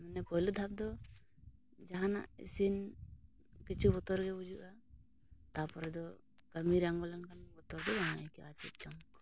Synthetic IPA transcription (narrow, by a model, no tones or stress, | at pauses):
mɛnɛpɔjlud̪ʱap̚d̪ɔ | d͡ʒaɦana̰ʔḭsin | kit͡ʃʰubɔt̪ɔɾɡɛbud͡ʒuʔa | t̪apɔɾɛd̪ɔ | ɡəmiɾaŋɡɔlankanbɔt̪ɔɾɡɛbanakiʔat͡ʃup̚t͡ʃɔmk